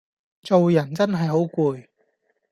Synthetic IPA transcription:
t͡so˨wjɐ˨˩nt͡sɐ˥nɦɐ˨jɦo˨˥wkuː˨˧j

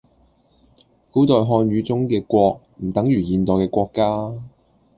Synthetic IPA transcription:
kuː˨˥t̪ɔː˨jɦɔː˧nɥyː˨˧t͡sʊ˥ŋkɛː˧kʷɔː˧k̚ | m̩˨˩t̪ɐ˨˥ŋjyː˨˩jiː˨˧nt̪ɔː˨˩jkɛː˧kʷɔː˧kːaː˥

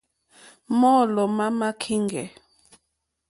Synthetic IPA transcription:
mɔ˦˨lɔ˨ma˦ma˦kʰi˦ŋɡɛ̰˨

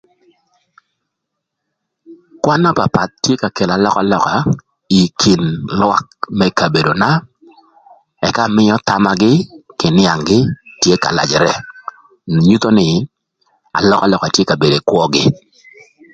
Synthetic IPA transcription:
kwa˦nɔ˦pa˨pa˨t̪̚tːje˦ka˨ke˨la˨lɔ˦ka˨lɔ˨ka˨ | i˨kʰi˨nlwa˦k̚mɛ˦ka˨be˨do˨na˦ | ɛ˨ka˦˨mɪ˦ɔ˦t̪a˦ma˦ɡɪ˦kɪ˨nɪ˦a˨ŋɡɪ˦tje˦ka̰˨la̰˨d͡ʒɛ˨ɾɛ˨ | ɲu˦t̪o˦nɪ˨ | a̰˨lɔ˦ka˨lɔ˨ka˨tje˦ka˨be˨de˨kwɔ˦ɡɪ˦

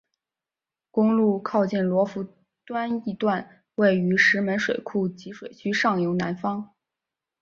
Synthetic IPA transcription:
kʊ˥ŋlu˥˩kʰɑ˥˧ʊt͡ɕi˥˩nlwɔ˧˥fu˧˥ | t̪wa˥ni˧˥˧t̪wa˥˧n | we˥˩ɪy˧˥ʂɻ̩˧˥mə˧˥nʂwe˨˩ɪkʰu˥˩t͡ɕi˧˥ʂwe˨˩ɪt͡ɕʰy˥ʂɑ˥˩ŋjo˧˥ʊna˧˥nfɑ˥ŋ

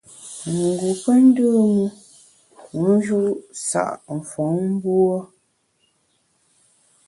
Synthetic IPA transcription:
ŋ˨ɡu˨pə˦n̩˦dɨ˦˨mu˦˨˦ | n˦d͡ʒu˦ʔsa̰˨ʔɱ̩˨fɔ˨˦m̩˦bwɔ˦

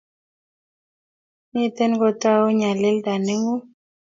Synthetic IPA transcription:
nɪ˦t̪e˦nɡɔ˦ta˦o˦ɲa˨lɪ˦lda˨ne˦ŋu˦

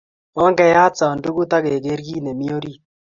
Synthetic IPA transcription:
ɔ˦ŋɡɛ˨ja˦t͡sa˨ndu˦ɡu˦t̪a˦ɡe˨ɡe˦ɾɡi˦ne˨mi˦o˦ɾi˦

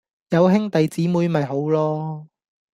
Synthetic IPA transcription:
jɐ˨˧wɦɪ˥ŋt̪ɐ˨jt͡siː˨˥muː˨˧jmɐ˨jɦo˨˥wlɔː˥

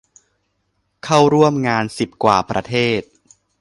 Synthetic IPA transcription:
kʰa˥˩wɾu˥˩əmŋaː˧nsi˨˩p̚kwaː˨˩pɾa˧t̪ʰeː˥˩t̪̚

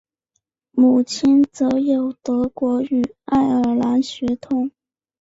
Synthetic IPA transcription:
mu˨˩t͡ɕʰi˥nt͡sɤ˧˥jo˨˩ʊt̪ɤ˧˥kwɔ˧˥y˨˩a˥˩ɪə˞˨˩la˧˥nɕɥɛ˧˥t̪ʰʊ˥˦ŋ

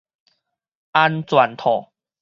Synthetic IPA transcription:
a˧nt͡swa˨˩nt̪ʰɔ˨˩

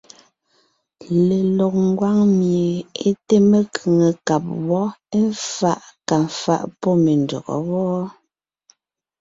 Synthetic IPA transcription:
le˨lɔ˨k̚ŋ˦ɡwa˦ŋmje˨e˦te˦me˦kʰɯ˨ŋe˨ka˨p̚wɔ˦e˦ɱ˦fa˦˨ʔka˨ɱ˨fa̰˦˨ʔpɔ˦me˨ndɔ̰˨ɣɔ̰˨wɔː˦

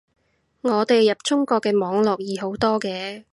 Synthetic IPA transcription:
ŋɔː˨˧t̪e˨jːɐ˨p̚t͡ʃʊ˥ŋkɔː˧kːɛː˧mɔː˨˧ŋlɔː˨k̚jiː˨˧ɦo˨˥wt̪ɔː˥kɛː˧

